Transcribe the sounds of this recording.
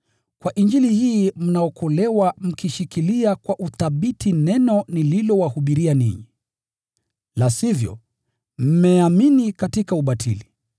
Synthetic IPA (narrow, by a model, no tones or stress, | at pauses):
kwaʔind͡ʒilihiːm̩naɔkʰɔlɛwam̩kiʃikiliakwaʔuθaɓitʰinɛnɔnililɔwahuɓiɾianḭɲi | lasivjɔ̰ | m̩mɛaminikatikauɓatʰḭli